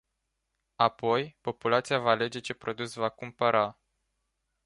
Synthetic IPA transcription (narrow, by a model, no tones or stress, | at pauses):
apo̞jpo̞pulat̪sijavaːle̞d͡ʒe̞t͡ʃe̞pɾo̞d̪usvakumpəɾʔa